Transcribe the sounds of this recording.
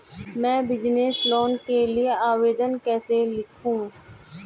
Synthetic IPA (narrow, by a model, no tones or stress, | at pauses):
mɛ̃ːbɪd͡ʒneːsloːnkelieaːʋeːd̪ənkɛːselɪkʰũː